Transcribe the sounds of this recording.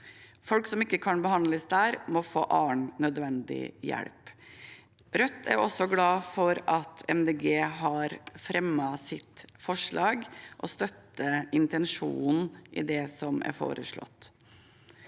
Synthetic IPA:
fɔlksɔmɪkːəkʰɑnbəhɑnləsd̪æːɾmɔfo̰ːʔɑːɳnœd̪ʋɛnd̪ɪ̰jæ̰ɽp | ɾœt̪ʰːæ̰ɾɔsɔɡlɑːfɔɾɑt̪ʰɛmd̪eːɡeːɦɑɾfɾɛmːɑsɪt̪fɔʂɭɑːɡʔɔst̪œt̪ːəɪnt̪ɛnʂṵːn̩ʔɪ̰d̪ɛsɔmæ̰ɾfo̰ːɾəʂɭɔ̰t̪ː

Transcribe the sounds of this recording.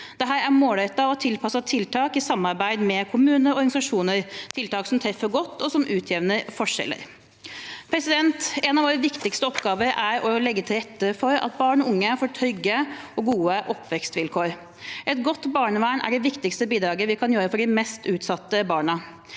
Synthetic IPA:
d̪̥ɛɦæːɾæɾmoːlɛt̪ːɑɔt̪ʰɪlpʰɑsɑt̪ʰɪlt̪ʰɑːkɪsɑmːɑɾbæɪd̪mɛkʰʊmʉːnəɾɔɾɡɑnɪsɑʂuːnəɾt̪ʰɪlt̪ɑːksɔmt̪ʰɾɛfːəɾɡɔt̪ːɔsɔmʔʉːt̪ʰjɛʋnəɾfɔʂɛ̰lːə̰ɾ | pʰɾɛsɪd̪ɛnt̪ɛnɑʋoːɾəʋɪkt̪ɪkst̪əɔpɡɑːʋəɾæɾɔlɛɡːət̪ʰɪlɾɛt̪ːəfɔɾɑ̰t̪̚bɑːɳɔʊŋːəfoːʈʰœɡəɔɡuːəʔɔpʰːʋɛkst̪ʋɪlkʰoːɾ | ʔɛt̪ɡɔt̪ːbɑːɳəʋæːɳæ̰ɖɛʋɪkt̪ɪkst̪əbiːd̪ɾɑːɡəʋɪkʰɑnjøːɾəfɔɖɪmɛst̪ʉːt̪sɑt̪ːəbɑːɳɑ

